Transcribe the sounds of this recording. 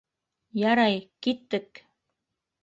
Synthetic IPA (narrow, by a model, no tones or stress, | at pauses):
jɑɾɑjkit̪ːə̆k